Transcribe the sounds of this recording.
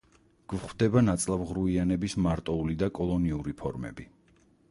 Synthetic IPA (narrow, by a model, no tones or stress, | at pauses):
ɡ̥vχwd̪ɛbanat̪sʼlˠavʁɾuianɛbismaɾt̪ʼɔulid̪akʼɔlˠɔniuɾipʰɔɾmɛ̰bi